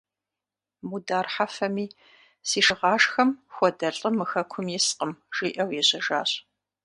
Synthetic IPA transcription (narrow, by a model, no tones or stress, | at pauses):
mudaːrħafɐmiː | siːʂɨʁɑːʂxɐmxʷɔdɐɬʼəmɨxɐkʷʰʊmjɛsqəmʒ̥iːʔɐwjɛɕɐʒa̰ːɕʼ